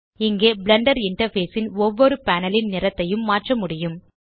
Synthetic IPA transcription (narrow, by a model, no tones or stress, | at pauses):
ɪŋɡeːbɪlɐɳɖɐɾɪɳʈɐɾfeːsɪnɔʋːɔɾɯpaːnɐlɪnnɪrɐt̪ːɐjɯmːaːʈrɐmʊɽɪjɯm